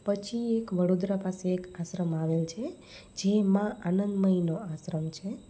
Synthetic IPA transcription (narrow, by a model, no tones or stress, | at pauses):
pət͡ʃʰiekʋəɽod̪ɾəpaseːkaʃɾəmaʋelt͡ʃʰe | d͡ʒemãanənd̪məɦinoasɾəmt͡ʃʰe